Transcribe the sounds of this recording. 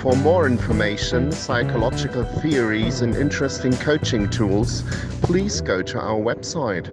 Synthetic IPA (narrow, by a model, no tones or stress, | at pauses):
fə˞mɔːɹɪ̃ɱfə˞meɪʃə̃nsaɪkʰəlɑd͡ʒɪkəl̩ˠθiəɹizə̃nʔɪ̰̃nt͡ʃɹ̥ɛstɪ̃ŋkʰoʊt͡ʃɪ̃ŋtʰuːlˠz̥ | pʰl̥iːzɡoʊɾəʔa̰ʊə˞wɛb̥saɪt̚